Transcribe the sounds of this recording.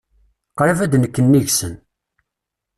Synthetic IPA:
qɾavæd̪nəkːənːiʝsən

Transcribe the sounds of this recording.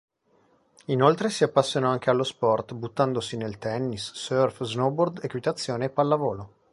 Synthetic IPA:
inolt̪ɾesiapːasːjonɔaŋk̟ealːospɔrt̪but̪ːand̪osinelt̪ɛnːisːørfznɔbord̪ekwit̪at̪sːjoːneːpːalːavoːlo

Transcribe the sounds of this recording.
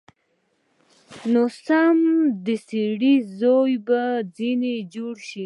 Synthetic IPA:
nosamd̪əsiɽizojbad͡zined͡ʒoɽʃi

